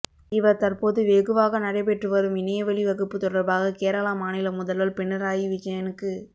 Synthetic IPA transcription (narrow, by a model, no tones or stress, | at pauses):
ɪʋɐɾt̪ɐɾpoːðɯʋeːɣɯʋaːɣɐnɐɽɐɪpɛʈrɯʋɐɾɯmɪnɐjɐʋɐɭiʋɐɣɯpːɯt̪ɔɽɐɾbaːɣɐkeːɾɐlaːmaːnɪlɐmʊðɐlʋɐlpɛɳːɐɾaːjiʋɪt͡ʃɐjɐnɯkːɯ